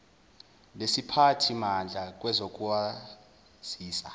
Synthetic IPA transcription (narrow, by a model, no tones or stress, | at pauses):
nesipʰatʰimand͡ɮʱak̬ʼwɛzok̬ʼuwa | z̥iːsa